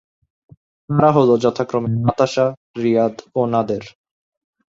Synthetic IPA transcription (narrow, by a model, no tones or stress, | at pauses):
naɾaɦolod͡ʑɔt̪ʰakɾomemat̪aʃa | ɾijad̪onad̪eɾ